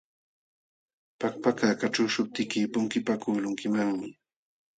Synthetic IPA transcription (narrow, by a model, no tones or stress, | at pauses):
pak̚pakakaʈ͡ʂaʃʊp̚t̪ɪkɪpʊŋkɪpakʊːlʊŋkɪmaŋmɪ